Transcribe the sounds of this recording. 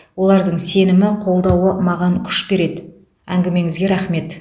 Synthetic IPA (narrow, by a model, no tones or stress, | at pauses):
wo̞lˠɑɾd̪əɴse̞nɪmɪqʰo̞lˠd̪ɑwəmɑʁɑŋkʲʰʏ̥ʃbe̞ɾe̞d̪ɪ | æŋɡʲɪme̞ŋɪzɡʲe̞ɾæχme̞t̪